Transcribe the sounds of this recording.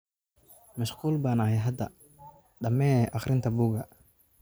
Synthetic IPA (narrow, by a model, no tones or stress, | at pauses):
mɐʃquːlbaːnɐhɛjɦɐd̪ɐ̰ | ɖɐmɛːʔɑχɾɪnt̪ʰɐbuːɡɐ